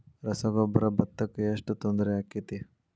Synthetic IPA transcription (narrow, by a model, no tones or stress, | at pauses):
ɾɐsɐɡobɐɾɐbɐt̪ːɐkːeʂʈut̪ond̪ɾeaːkːit̪i